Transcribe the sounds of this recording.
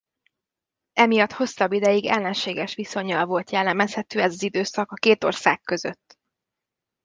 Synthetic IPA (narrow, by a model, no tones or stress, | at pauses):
ɛmijɒt̪ho̞sːɒbːid̪ɛjiɡɛ̰lːɛnʃeːɡɛʃʋiso̞ɲːɒlvo̞lt̪jɛlːɛmɛshɛt̪øːɛzɒzid̪øːsɒkɒkeːt̪orsa̰ːkːø̞zø̰t̪ː